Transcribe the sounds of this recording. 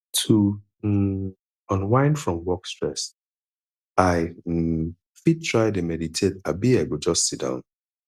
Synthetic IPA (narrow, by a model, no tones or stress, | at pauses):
tʰu | m̩ | ɔ̃nwãɪ̃nfɹɔ̃mwɔkstɹɛs | aɪm̩ | fid̚tʰɹaɪdemɛditʰetabiaɪɡod͡ʒɔstsid̥ã̰ʊ̃n